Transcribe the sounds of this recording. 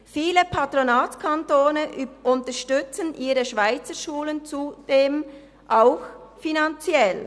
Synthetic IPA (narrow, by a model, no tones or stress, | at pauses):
fiːləpʰatʁonaːtkʰantoːnəʔʊntəʃtʏt͡sənʔiːɾəʃvaɪt͡səʃuːlənt͡sud̥eːm | ʔaʊxfinant͡sjɛl